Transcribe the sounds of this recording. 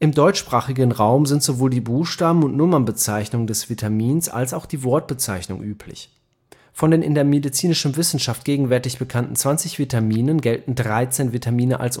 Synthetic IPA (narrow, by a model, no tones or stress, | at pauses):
ʔɪmdɔʏt͡ʃʃpʁ̥aːχɪɡənʁaʊmzɪntz̥ovoːldiːbuːxʃtaːbm̩ʊntnʊmɐnbət͡saɪçnʊŋdɛsv̥itʰamiːnsa̰lsaʊxd̥iːvɔɐt̚b̥ət͡saɪçnʊ̰ŋʔyːpʰlɪ̰ç | fɔndeːnʔɪndeːɐmedit͡siːnɪʃn̩vɪsn̩ʃaft̚ɡ̥eːɡŋ̩vɛɐtɪçb̥əkʰantn̩t͡sv̥ant͡sɪçv̥itamiːnənɡɛltn̩dʁaɪt͡seːnvitʰamiːnəʔa̰ls